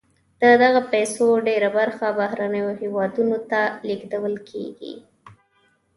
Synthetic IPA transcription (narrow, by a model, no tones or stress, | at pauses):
d̪̥əd̪aɣapajsoɖeɾabaɾxabahɾanəjohewɑd̪unot̪aliɡd̪awəlkʰḛɡḭ